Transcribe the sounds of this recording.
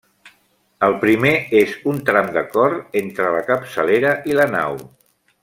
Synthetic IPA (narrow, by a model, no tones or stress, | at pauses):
əlˠpɾimeezunt̪ɾamd̪əkɔɾt̪ent̪ɾələkəpsəleɾəʔiləna̰w